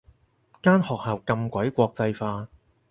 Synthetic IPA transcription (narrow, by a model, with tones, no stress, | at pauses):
kaː˥nhɔː˨k̚haː˨˩wkɐ˧mkʷɐ˨˥jkʷɔː˧k̚t͡sɐ˧jfaː˧